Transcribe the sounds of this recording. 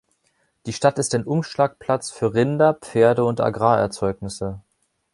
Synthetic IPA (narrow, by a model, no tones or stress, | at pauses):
d̥iːʃtatɪstaɪnʔʊmʃlaːk̚pʰl̥at͡sfyːɐʁɪndɐpp͡feːɐdəʊnta̰ɡʁaːɛɐt͡sɔʏknɪsə